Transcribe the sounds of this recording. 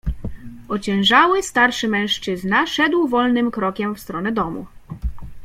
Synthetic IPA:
ɔt͡ɕɛ̃w̃ʐawɘst̪aɾʂɘmɛ̃w̃ʂt͡ʂɘznaʂɛd̪wvɔlnɘmkɾɔkʲɛmfst̪ɾɔnɛd̪ɔmṵ

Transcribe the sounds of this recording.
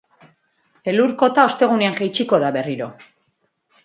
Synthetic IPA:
e̞luɾko̞t̪ao̞st̪e̞ɣ̞uneaŋʝejt͡ʃiko̞ðaβe̞riɾo̞

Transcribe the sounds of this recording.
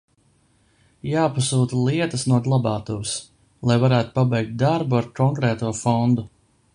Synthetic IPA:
jaːpasuːt̪lˠiɛt̪ɐsnuɔɡlˠabɑːt̪us | lˠajvaɾæːt̪u̥pabɛjk̚t̪̚d̪aɾbuaɾkɔŋkɾɛːt̪uɔfɔnd̪u

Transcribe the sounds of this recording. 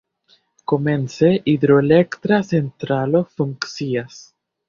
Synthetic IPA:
komẽnseʔid̪ɾoelekt̪ɾasent̪ɾalofuŋksias

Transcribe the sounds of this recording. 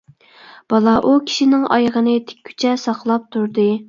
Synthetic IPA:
b̥ɑlˠɑʔukʲʰi̥ʃinɪŋʔɑ̰jʁənɨt̪ʰɪ̥k̚ʲʰːy̥t͡ʃʰɛsɑqlˠɑp̚t̪ʰuɾd̪ɨ

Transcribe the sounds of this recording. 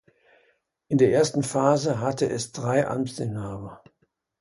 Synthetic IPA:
ʔɪndeːɐʔeːɐstn̩faːzəɦatʰəʔɛsd̥ʁaɪʔa̰mdɪnaːbɐ

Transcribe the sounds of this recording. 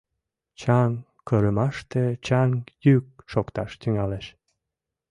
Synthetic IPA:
t͡ɕɑŋ | kəɾəmɑʃt̪et͡ɕɑŋjyk̚ʃokt̪ɑʃt̪yŋɑleʃ

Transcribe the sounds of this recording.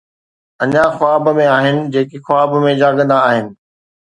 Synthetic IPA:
ɐɲãxʊaːbmẽaːɦɪnɪ̆d͡ʑeːkixʊaːbmẽd͡ʑaːɡə̃nd̪aːɦɪnɪ̆

